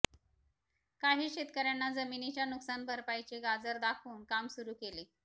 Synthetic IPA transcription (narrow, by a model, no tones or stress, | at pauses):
kaɦiːɕet̪kəɾjanːad͡zəminit͡ɕjanuksanbəɾpajt͡ɕeɡad͡zəɾd̪akʰuːnkamsuɾuːkele